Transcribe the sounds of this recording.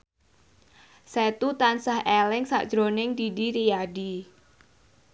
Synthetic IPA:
sɛt̪ut̪ansaɦʔɛlɪŋsa̰ʔd̥ʒ̥ɾonɪŋdidiɾijaɖi

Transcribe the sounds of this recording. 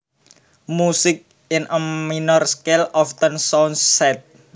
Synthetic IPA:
musɪk̚ | ɪnəminɔrskelɔft̪ənsɔnsɛt̪̚

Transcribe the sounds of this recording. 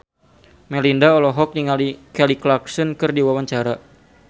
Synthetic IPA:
mɛlindaɔlɔɦɔk̚niŋalikɛliklaksɔnkɨrdiwawaɲt͡ʃaɾa

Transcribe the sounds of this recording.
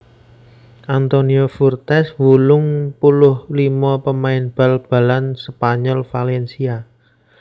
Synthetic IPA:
ʔant̪oniofurt̪ɛswulʊŋpulʊhlimɔpəmaɪnb̥a̤lb̥a̤lansəpaɲɔlfalɛnsia

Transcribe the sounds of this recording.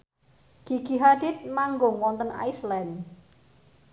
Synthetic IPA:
kiɡ̥iɦad̪ɪt̪̚maŋɡʊŋwɔnt̪əna̰jslɛn

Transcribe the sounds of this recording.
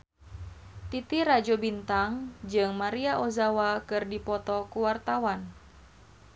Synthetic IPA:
t̪it̪iɾad͡ʒɔbint̪aŋd͡ʒɨŋmaɾiaʔozawakɨrdipɔt̪ɔkuwart̪awan

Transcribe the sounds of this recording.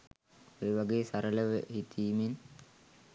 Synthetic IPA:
eːʋaɡeːsaɾələʋəɦit̪ʰiːmen

